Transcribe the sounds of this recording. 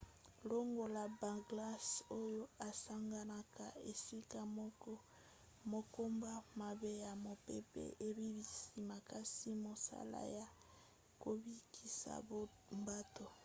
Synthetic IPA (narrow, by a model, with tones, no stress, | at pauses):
lo˦ŋɡo˨la˨ba˨ɡla˦so˦jo˦a˨sa˦ŋɡa˦na˦ka˨e˨si˦ka˦ | mo˨ko˦mba˦ma˨be˦ja˨mo˨pe˦pḛ˦ʔe˨bi˦bi˨si˨ma˨ka˦si˦mo˨sa̰˦la̰˦ja˨ | ko˨bi˦kʰi˨sa̰˨b | mba˦to˨